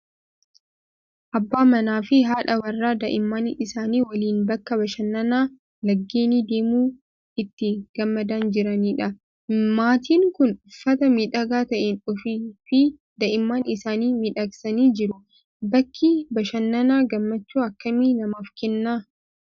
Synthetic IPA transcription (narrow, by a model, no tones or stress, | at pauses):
ʔɐbːaːmɐnaːfɪɦaːᶑɐwɐrːaːd̪ɐʔɪmːaːnɪsaːniːwɐliːnbɐkːɐbɐʃɐnːɐnaː | lɐɡːeːniːd̪e̞ːmuː | ɪt̪ːɪɡ̥ɐmːɐd̪aːnd͡ʒɪɾɐniːᶑɐ | maːt̪iːŋkʊnʊfːɐt̪ɐmiːᶑɐɡaːt̪ɐʔenʊfifɪ | d̪ɐʔɪmːaːnɪsaːniːmɪᶑɐksɐniːd͡ʒɪɾʊ | bɐkʰːibɐʃɐnːɐnaːɡɐmːɐt͡ʃːuːɐkːɐminɐmɐfkɛnːaː